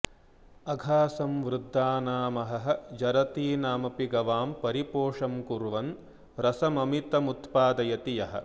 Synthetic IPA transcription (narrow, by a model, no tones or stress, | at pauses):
ɐɡʱaːsɐmʋɾud̪ʱːaːnaːmɐɦɐɦɐ̆d͡ʒɐɾɐt̪iːnaːmɐpiɡɐʋaːmpɐɾipoːʂɐmkuɾʋɐn | ɾɐsɐmɐmit̪ɐmut̪paːd̪ɐjɐt̪ijɐɦɐ̰̆